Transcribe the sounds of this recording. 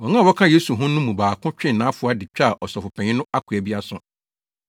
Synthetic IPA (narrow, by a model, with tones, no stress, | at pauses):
wɔ˨ŋã˦˨wɔ˦kʰã˦je˦su˨ɦʊ̃˦nʊ̃˦mũ˨baː˨kʰʊ̃˦t͡ɕᶣɪ̃˦˨nːã˨˦fʊ˨˦a˦dɪ˨t͡ɕᶣa˦˨ʔɔ˨sɔ˨fʊ˨pʰɛ̃˨ɲɪ̃˦nʊ̃˦a˦kʰu˨æ˨bi˦a˦sʊ̰̃˦˨